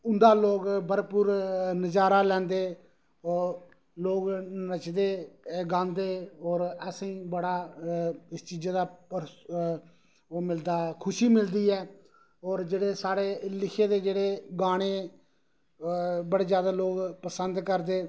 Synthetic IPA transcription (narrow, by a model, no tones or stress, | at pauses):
ʊnd̪aːloːɡbəɾpuɾnəd͡ʒaːɾaːlɛ̃ːnd̪eː | loːɡnət͡ʃd̪eːɡãːnd̪eːɔːɾəsĩːbəɽaː | ɪst͡ʃiːd͡ʒd̪aːə | mɪld̪aːkʰʊʃiːmɪld̪iːɛː | ɔːɾd͡ʒeːɽeːsaːɽeːlɪkʰeːd̪eːd͡ʒeːɽeːɡaːɽ̃eː | bəɽeːzjaːd̪aːloːɡpəsənd̪kəɾd̪eː